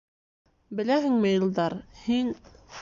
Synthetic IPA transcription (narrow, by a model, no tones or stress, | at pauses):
bɘ̆læɦɘŋmɘ̆jɤ̆lˠd̪ɑɾhin